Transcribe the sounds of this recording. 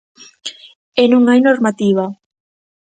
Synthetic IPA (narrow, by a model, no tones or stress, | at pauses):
enũŋajnoɾmat̪iβ̞a